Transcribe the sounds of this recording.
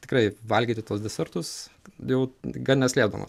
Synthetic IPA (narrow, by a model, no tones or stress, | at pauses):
tʲɪ̥krɐɪʋɐlʲɡʲiːt̪ʲɪt̪uɔsd̪ʲɛsʲɛrt̪ʊsjɛʊɡɐlnʲɛsʲlʲeːd̪o̰ːmo̰